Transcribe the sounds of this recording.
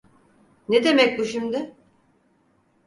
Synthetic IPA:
ned̪e̞mɛc̚buʃimd̪ɪ

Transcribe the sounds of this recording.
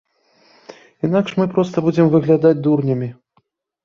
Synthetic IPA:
in̪akʂmɨpɾɔst̪ɐbud͡zʲɛmvɨɣlʲad̪ad͡zʲd̪urnʲɐmʲi

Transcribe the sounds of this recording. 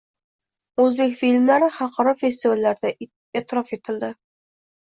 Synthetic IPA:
ɵzbekʲfilmlaɾɪχɑlˠqʰɑɾɒfest̪ivalːaɾɪd̪a | et̪ʰɪɾɒfe̞t̪ʰɪld̪ɪ

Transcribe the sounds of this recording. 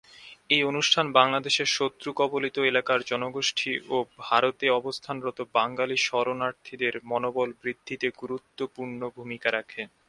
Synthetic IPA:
ejonuʃʈʰanbaŋlad̪eʃeɾʃot̪ːɾukɔbolit̪oelakaɾd͡ʑɔnoɡoʃʈʰiʔobʱaɾot̪eɔbost̪ʰanɾɔt̪obaŋɡaliʃɔɾonaɾt̪ʰid̪eɾmɔnobɔlbɾid̪ʱːit̪eɡuɾut̪ːopuɾɳobʱumikaɾakʰe

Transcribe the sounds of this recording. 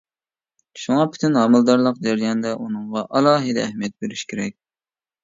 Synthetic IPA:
ʃuŋɑpʰy̥t̪ʰynɦɑmɨlˠd̪ɑɾlˠəqd͡ʒæɾijɑnd̪ɛʔunɨŋʁɑʔɑlˠɑːɦɨd̪ɛːhmijɛt̪̚beɾyʃkʲʰeɾɛk̚ʲ

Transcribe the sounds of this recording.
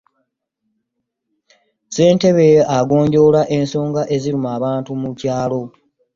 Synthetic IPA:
se̞ːnte̞βeaɡo̞ːɲɟo̞laʔe̞nso̞ːŋɡaʔe̞ziɾumaːβaːntumucaːlo̞

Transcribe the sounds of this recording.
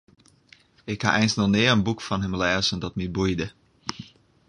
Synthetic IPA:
ɪkha̰ʔɛjnsnɔnɪːərənbukfɔnɦəmlɛːzəndɔtmibujdə

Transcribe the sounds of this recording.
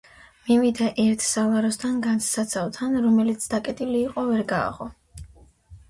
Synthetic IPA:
mivid̪aʔɛɾt̪ʰsalˠaɾɔst̪ʰanɡanssat̪sʰalˠt̪ʰanɾɔmɛlit̪sʰd̪akʼɛt̪ʼiliːqʼɔvɛɾɡa̰ːʁɔ

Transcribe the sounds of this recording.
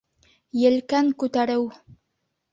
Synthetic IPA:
jɘ̆lkæŋkʉt̪æɾɘw

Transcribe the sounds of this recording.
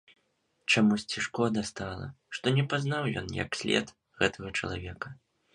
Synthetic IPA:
t͡ʂamusʲt͡sʲiʂkɔd̪ɐst̪alˠɐ̰ | ʂt̪ɔnʲɛpaznawjɔ̰njɐ̰ksʲlʲɛ̰t̪ | ɣɛt̪ʰɐɣɐt͡ʂɐ̰lˠa̰vʲɛkɐ

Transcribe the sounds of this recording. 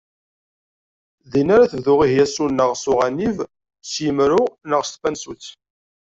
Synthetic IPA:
ðinaɾaθəvðʊʁihjæsunːəʁsʊʁaniv | sjəmɾʊnəʁst̪fænsut͡sː

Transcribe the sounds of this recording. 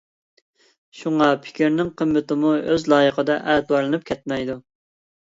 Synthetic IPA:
ʃuŋɑpʰɪ̥kʲʰiɾnɪŋqʰəmːɪt̪ɪmuøzlˠɑːjəqʰəd̪ɑʔɛd̪wɑɾlˠɨnɨp̚kʲʰɛt̪̚mɛjd̪u

